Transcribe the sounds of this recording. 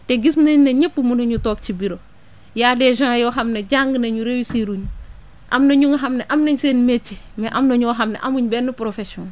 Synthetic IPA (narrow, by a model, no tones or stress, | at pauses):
teɡisnɐɲnɐɲepːumunoɲutok̚t͡ʃibiɾo | jadeʒãːjoɦamneɟaŋɡnɐɲuɾewisiɾuɲ | ʔamnɐɲuŋɦamneʔamnɐɲsenmet͡ʃːi | meʔamnɐɲoɦamnḛʔamuɲbenːupɾofesõn